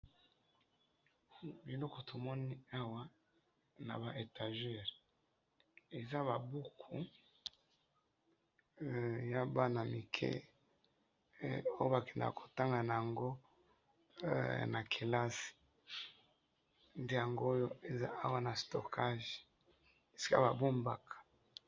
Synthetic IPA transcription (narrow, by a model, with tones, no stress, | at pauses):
bi˨lɔ˦ko˨to˨mɔ˦ni˦a˦wa˦ | na̰˨ba˨ʔe˨ta˨ʒɛ˦˨ʁe˨ | e˨za˦βa˨bu˦kʰu˨ | ja˦ba˦na˨mi˨kʰɛ̰˦ | o˦jo˦ba˨kɛ˨nda̰˨kʰo̥˨ta˦ŋɡa˨na˨ja˨ŋɡo˦ | na˨kʰe˨la˦si̥˨ | nde˦ja˨ŋɡo˦jo˦e˨za̰˦ʔa˦wa˦na˨sto˨kʰa˦ʒe̥˨ | e˨si̥˦ka̰˦ba˨bo˦mba̰˨kʰḁ˨